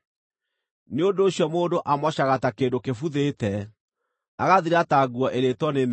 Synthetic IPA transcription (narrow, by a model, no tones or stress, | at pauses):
neondoːɕjɔmoːndoʔamɔɕaɣatakeːndokefuðetɛ | aɣaðiɾataɡwɔʔeɾetwɔnen